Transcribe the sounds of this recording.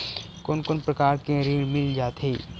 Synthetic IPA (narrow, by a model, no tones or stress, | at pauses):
konkʊnpɾɐkaːɾkẽɾiːɽmɪld͡ʒaːt̪ɦeː